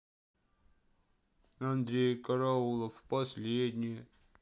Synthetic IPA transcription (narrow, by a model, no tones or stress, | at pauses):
ɐnd̪ɾʲejkɐɾaulˠəfpɐsʲlʲed̪ʲnʲɪjə